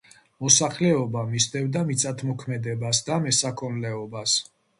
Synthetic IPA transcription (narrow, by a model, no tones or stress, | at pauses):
mɔsaχlɛɔbamist̪ʼɛvd̪amit̪sʼat̪ʰmɔkʰmɛd̪ɛbasd̪amɛsakʰɔnlɛɔbas